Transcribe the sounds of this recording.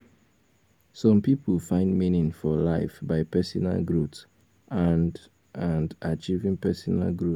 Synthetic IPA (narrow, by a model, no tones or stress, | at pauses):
sɔ̃mpipəl̩fãɪ̃ndminĩŋfɔlaɪfbaɪpɛsɔna̰lɡɹuts | ʔãnd | ãndat͡ʃivĩŋpɛsɔna̰lɡɹu